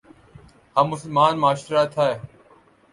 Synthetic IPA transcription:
hamːʊsəlmaːnmaːʃɾaːt̪ʰaːeː

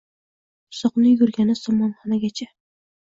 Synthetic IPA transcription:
ʊsɒqnɪjɵɾɡʲanɪsɒmɑnχɒnaɡʲat͡ʃʰa

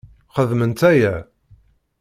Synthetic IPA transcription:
χəðmənt̪æjæ

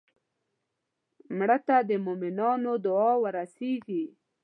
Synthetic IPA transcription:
mɽət̪ad̪əmʊmɪnɑnod̪ʊɑwəɾaseɡi

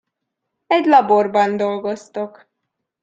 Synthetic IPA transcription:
ɛɟlɒborbɒnd̪o̞lɡo̞st̪o̞k

